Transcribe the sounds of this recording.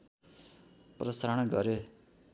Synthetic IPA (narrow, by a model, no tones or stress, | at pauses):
prʌsaɾʌɽ̃ɡʌɾe